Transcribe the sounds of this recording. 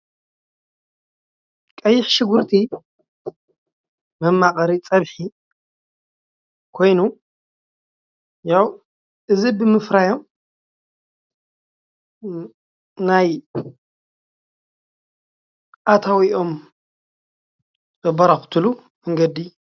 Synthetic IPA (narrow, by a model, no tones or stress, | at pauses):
kʼɐjːɪħʃɪɡuɾt̪ʰi | mɨmːakʼɐɾit͡sʼɐβħi | kʰo̞jnu | jaw | ʔɨzibɨmɨfɾajo̞m | naj | ʔat̪ʰawiʔo̞m | bɨbɐɾɐxt̪ʰɨlu | mɨŋɡɐd̪i